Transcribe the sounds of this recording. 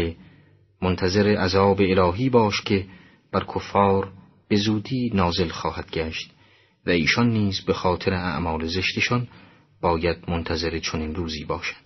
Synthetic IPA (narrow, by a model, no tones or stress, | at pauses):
e | mont̪ʰæze̞ɾeʔæzɒːbe̞ːlɒːɦiːbɒːʃkʲʰe̞ | b̥æɾkʰofːɒːɾ | b̥e̞zuːd̪iːnɒːze̞lxɒːhæd̪̥ɡæːʃt̪ | væiːʃɒnːiːzbexɒːt̪ʰe̞ɾeʔæ̰ʔmɒːleze̞ʃt̪e̞ʃɒn | b̥ɒːjæd̪̚mont̪ʰæze̞ɾet͡ʃʰoniːnruːziːbɒːʃæ̥d̪̥